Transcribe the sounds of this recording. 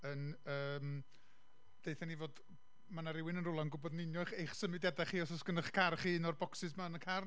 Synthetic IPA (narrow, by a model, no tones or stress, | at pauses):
ənəːm | d̥ejθanivoːd | manaɾɪwɪnənrʊlˠanɡʊbɔdnɪnjɔjχejχsəmɨdjadaχiːɔsɔsɡ̥ənəχkʰarχiːnɔrbɔksɪsmanəkʰar